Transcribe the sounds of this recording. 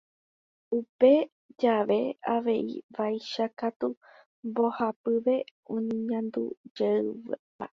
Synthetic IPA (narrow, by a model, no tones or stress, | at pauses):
upe̞ | d͡ʒaʋe̞aʋe̞ḭʋajʃakat̪u | mbo̞hapɨʋe̞õɲĩɲãnd̪ṵd͡ʒeɨʋpa̰